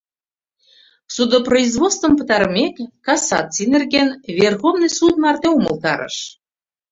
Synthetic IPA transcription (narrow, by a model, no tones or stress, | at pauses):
sud̪oproizvot̪st̪və̆mpə̆t̪ɑɾəmekːɑsɑ̰t͡sːinĕrɣenvʲerxovnɨjsut̪̚mɑrt̪eumɤ̆lt̪ɑ̰ɾə̰ʃ